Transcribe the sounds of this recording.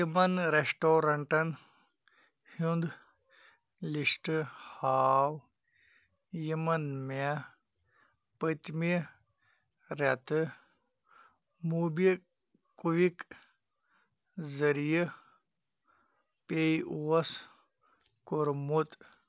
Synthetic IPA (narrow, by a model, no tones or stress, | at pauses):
jɐmɐnɾesʈoːɾɐɳʈɐn | hund̪ | liʂʈɨhaːw | jimɐnme | pət̪mi | ɾɐt̪ɨ | mubi | kuʋik | zəɾijə | peiuɐs | koɾmut̪